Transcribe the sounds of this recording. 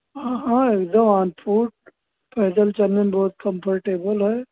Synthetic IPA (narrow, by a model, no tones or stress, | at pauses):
ɦãɦãeːkd̪əmãːnpʰuːʈ̚ | pʰɛːd̪əlt͡ʃɐnːəmbɔːt̪kə̃mpʰəɾʈeːbəlɦɛː